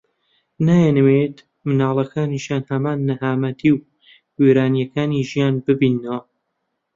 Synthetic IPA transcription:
naːjenwet̪ | mɨnaːlˠɐkʰaːniʃjaːnhɐmaːnːɨhaːmɐt̪ʰiw | weːɾaːnjɐkaːniʒijaːnbɨbiːnːəwɐ

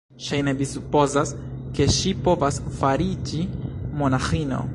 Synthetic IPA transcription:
ʃajnevisupo̞zas | ke̞ʃipo̞vasfaɾid͡ʒimo̞naxino̞̰

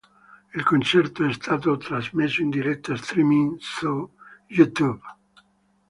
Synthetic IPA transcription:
ilkont͡ʃɛrt̪oɛst̪ʰaːt̪ot̪ɾazmesːoind̪iɾɛt̪ːaːst̪ɾimiŋsujut̪ub

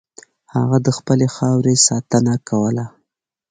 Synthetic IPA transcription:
haɣad̪əxpəlexɑwɾesɑt̪ənakawəla

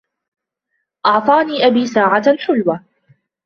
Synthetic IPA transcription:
ʔɑʕt̪ˤɑːniːʔabiːsaːʕaħʊlwaː

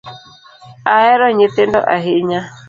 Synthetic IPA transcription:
aɛɾɔɲet̪endɔ̰ʔaɦeɲa

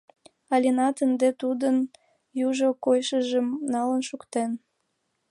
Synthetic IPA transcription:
ɑlʲinɑt̪ənd̪et̪ud̪ən | juʒokojʃəʒəmnɑlənʃukt̪en

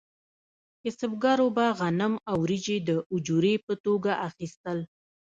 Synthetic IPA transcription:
ɪsəbɡɑɾobaɣanəmawɾid͡ʒed̪əʔʊd͡ʒuɾepət̪oɡaʔaxist̪əl

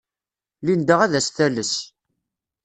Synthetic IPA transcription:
lind̪əʁæðæsθæləs

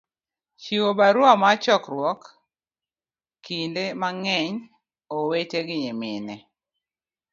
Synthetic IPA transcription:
t͡ʃiwobaɾwamat͡ʃɔkɾwɔk | indemaŋɛɲ | oweteɡɪɲemɪnɛ

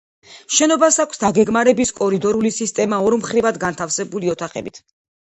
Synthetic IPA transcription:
ʃɛnɔbasakʷʰsd̪aɡɛɡmaɾɛbiskʼɔɾid̪ɔɾulisist̪ʼɛmaɔɾmχɾivad̪ɡant̪ʰafsɛbuliɔt̪ʰaχɛ̰bit̪ʰ

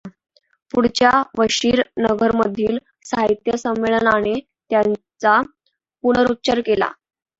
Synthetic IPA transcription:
puɽt͡ɕjaʋəɕiːɾnəɡəɾməd̪ʱiːl | saɦit̪jəsəmːeɭənañe | t̪jan | t͡sa | puɽəɾut̪̚ːt͡ɕəɾkela̰

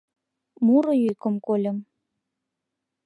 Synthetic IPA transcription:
muɾɤ̆jykə̆mkolʲə̆m

